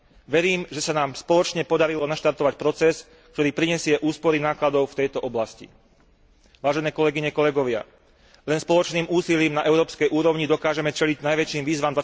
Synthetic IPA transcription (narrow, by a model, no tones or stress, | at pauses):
ʋɛɾiːmʒɛsanaːmspɔlɔt͡ʃɲɛpɔd̪aɾilɔnaʃt̪aɾt̪ɔʋacpɾɔt͡sɛs | k̚t̪ɔɾiːpɾiɲɛsɪɛʔuːspɔɾinaːklad̪ɔʊft̪ɛjt̪ɔʔɔblascḭ | ʋaːʒɛnɛːkɔlɛɡiɲɛkɔlɛɡɔʋɪa̰ | lɛnspɔlɔt͡ʃniːmuːsiliːmnaʔɛʊɾɔːpskɛjʔuːɾɔʊɲid̪ɔkaːʒɛmɛt͡ʃɛliɟnajʋɛt͡ʃiːmʋiːzʋamd̪ʋa